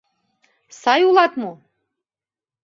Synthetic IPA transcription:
sɑjulˠɑt̪mu

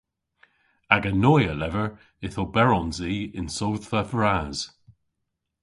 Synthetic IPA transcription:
aɡənɔjəlɛvəɹ | ɪθobɛɹɔnziːɪnsowðvəfɹaːz̥

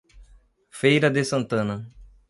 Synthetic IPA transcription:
fejɾɐd̪esɐ̃nt̪ɐ̃nɐ

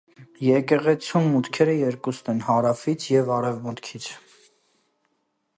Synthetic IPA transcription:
jɛkɛʁɛt͡sʰumːut̪kʰɛɾəjɛɾkusnɛnhɑɾɑfit͡sʰjɛvɑɾɛvmut̪kʰit͡sʰ

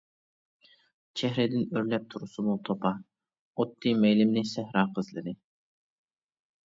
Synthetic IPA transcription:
t͡ʃʰɛɦɾɪd̪ɪnøɾlɛp̚t̪ʰuɾusumut̪ʰopʰɑ | ot̪ʰːijmɛjlɪmnɪsɛhɾɑːqʰəzlɨ̰nɨ

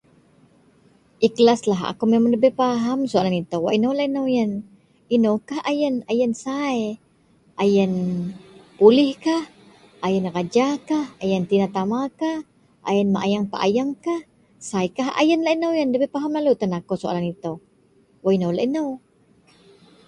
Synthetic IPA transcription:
ʔiklaslaɦa̰kumemaŋdəbepaɦamsoalanit̪owwa̰ʔinowlainəwjən | inəwkahajənajənsae | ajən | pulɪhkah | ʔajənrad͡ʒakahajənt̪inat̪amakah | ʔa̰jənmaʔajaŋpa̰ʔa̰jaŋkah | sajkaɦa̰jənlaʔinowjəndəbepaɦamlalut̪ənakosoʔa̰lanit̪əw | waʔinowlaʔinəw

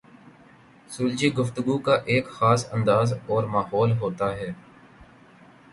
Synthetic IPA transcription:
suːld͡ʒiːɡʊft̪ʊɡuːkaːʔeːkxaːsə̃nd̪aːzɔːɾmaːɦɔːlɦoːt̪aːɦɛː

